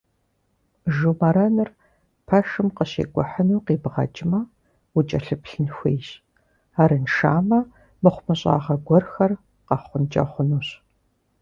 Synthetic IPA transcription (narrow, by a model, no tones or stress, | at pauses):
ʒumɐɾɐnɨr | pʰɐʃɨmqəɕḛːɡʷɔħənuːqiːbʁɐ̰t͡ʃʼmɐ | wʊt͡ʃʼɐɬɨpɬɨnxʷeːɕ | aːɾɨnʃa̰ːmɐ | mɨχʷʊmɨɕʼa̰ːʁɐɡʷɔrxɐr | qɐχʷʊnt͡ʃʼɐ̰χʷʊnuːɕ